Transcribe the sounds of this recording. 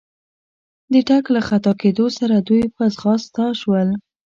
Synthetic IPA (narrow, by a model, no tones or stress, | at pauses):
d̪əʈaklaxat̪ɑked̪osaɾad̪ujpəasxɑst̪ɑʃwəl